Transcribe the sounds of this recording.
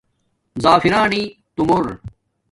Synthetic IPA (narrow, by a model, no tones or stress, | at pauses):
zaːfiɾaːnit̪umoɾ